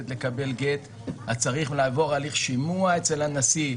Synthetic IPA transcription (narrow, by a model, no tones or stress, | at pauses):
et̪le̞kabe̞lɡe̞t̪ | hat͡saʁiχlaːvo̞ʁaliχʃimuaet͡selanasi